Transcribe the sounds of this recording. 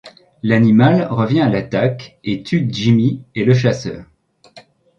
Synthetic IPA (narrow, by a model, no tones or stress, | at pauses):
lanimalʁəvjɛ̃alat̪aket̪ʰyd͡ʒimieləʃ̬asœ̰ːʁ